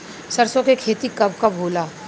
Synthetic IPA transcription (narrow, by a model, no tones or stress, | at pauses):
sɐɾsõkekʰeːt̪ikɐbʱkabʱoːlaː